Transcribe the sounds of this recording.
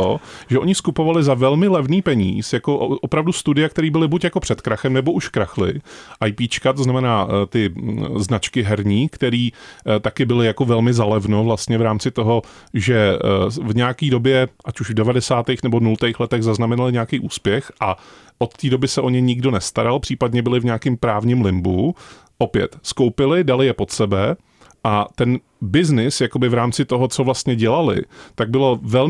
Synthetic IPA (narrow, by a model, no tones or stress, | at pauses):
oʒɛʔo̞ɲɪskupo̞valɪzavɛlmɪlɛvniːpɛɲḭːsjako̞ʔʔopɾavdust̪udɪjak̚t̪ɛɾiːbɪlɪbucjako̞pr̝̥ɛt̪kɾaxɛmnɛbo̞ʔuʃkɾaxlɪ̰ʔajpiːt͡ʃkat̪oznamɛnaːt̪ɪznat͡ʃkɪɦɛɾɲiːkt̪ɛɾiːt̪akɪbɪlɪjako̞vɛlmɪzalɛvno̞vlast̪ɲɛvɾaːmt͡sɪt̪o̞ɦo̞ | ʒɛvɲɛakiːdo̞bjɛʔacuʒvdɛvadɛsaːt̪ɛjxnɛbonult̪ɛjxlɛt̪ɛɣzaznamɛnalɪɲɛakejʔuːspjɛxʔa | ʔo̞t̪ːiːdo̞bɪsɛʔo̞ɲɛɲɪɡdo̞nɛst̪aɾalpr̥iːpadɲɛbɪlɪvɲaːkɪmpɾaːvɲɪmlɪmbu | ʔo̞pjɛ̰t̪skowpɪlɪdalɪjɛpo̞t̪sɛbɛ | ʔat̪ɛn | bɪznɪsjakobɪvɾaːmt͡sɪt̪oɦot͡sovlast̪ɲɛɟɛlalɪ̰t̪aɡ̚bɪlo̞vɛl